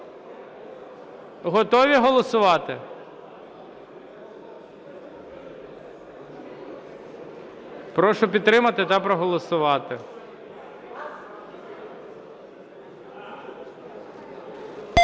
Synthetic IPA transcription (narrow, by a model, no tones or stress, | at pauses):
ɦɔt̪ɔʋʲiɦɔlˠɔsʊʋɑt̪ɪ | pɾɔʃɔpʲid̪̚t̪ɾɪmɐt̪ɪt̪ɑpɾɔɦɔlˠɔsʊʋɑt̪ɪ